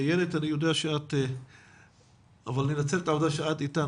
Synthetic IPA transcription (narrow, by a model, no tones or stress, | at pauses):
jelet̪anijod̪eaʃeat̪e | avalaninat͡selet̪avod̪aʃeat̪it̪a